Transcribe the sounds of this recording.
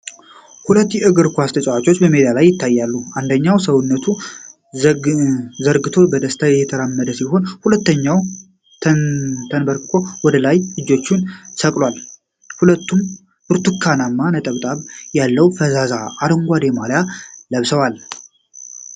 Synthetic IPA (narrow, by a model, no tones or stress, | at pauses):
hulət̪ːjɛʔɨɡɨɾkʰʷast̪ʰət͡ʃʼawat͡ʃʼo̞t͡ʃːbəmed̪ijalajːɪt̪ʰːajːalːuand̪əɲːawsəwnːət̪ʰu | zəɾɡɨt̪ʰo̞bəd̪əst̪ʰajɛt̪ʰəɾamːəd̪əsiɦo̞nhulət̪ːəɲːaw̪ʰ | t̪ʰənbəɾkʰo̞wɔd̪əlajlɨd͡ʒo̞t͡ʃːɪnsəkʼlwal | hulət̪ːum | b̥ɨɾt̪ʰukʰːanamːanət̪ʼəβt̪ʼaβjalːəwfəzazaaɾɨŋɡʷad̪emaljaləβsəwal